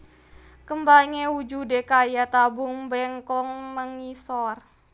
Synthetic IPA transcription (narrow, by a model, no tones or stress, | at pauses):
kəmbaŋewud͡ʒudekajat̪abuŋbɛŋkɔŋməŋisɔr